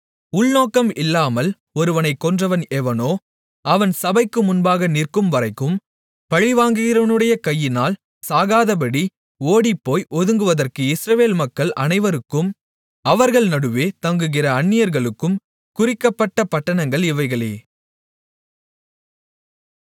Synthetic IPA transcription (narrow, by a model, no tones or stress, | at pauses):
ʊɭnoːkɐmɪlːaːmɐl | ɔɾɯʋɐnɐɪkːɔndrɐʋɐnɛʋɐnoː | ɐʋɐnsɐbɐɪkːɯmʊnbaːɣɐnɪrkɯmʋɐɾɐɪkːɯm | pɐɻɪʋaːŋɡɯɣɪɾɐʋɐnɯɽɐjɐkɐjːɪnaːl | saːɣaːðɐb̬ɐɽi | oːɽipːoːjʔɔðɯŋɡɯʋɐðɐrkɯɪsɾɐʋeːlmɐkːɐɭɐ̰nɐɪʋɐɾɯkːɯm | ɐʋɐɾɣɐɭnɐɽɯʋeːt̪ɐŋɡɯɣɪrɐːɳːɪjɐɾɣɐɭɯkːɯm | kʊrɪkːɐpːɐʈːɐpɐʈːɐɳɐŋɡɐɭɪʋɐɪɣɐɭḛː